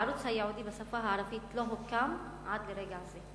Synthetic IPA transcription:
ɾut̪sɐjawd̪ibɐsɐfɐɦaːɾɐfit̪loɦokːaːmaːt̪liɾɐɡaːze

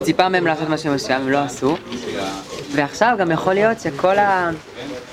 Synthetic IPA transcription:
tipaʁmeemlaːso̞t̪maʃeemesujamemlo̞asu | veaχʃavɡamjaχo̞lijo̞tʃe̞kʰo̞la

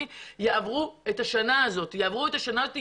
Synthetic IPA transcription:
jaʔavʁue̞taʃanaazo̞tjeavʁuetaʃanazoti

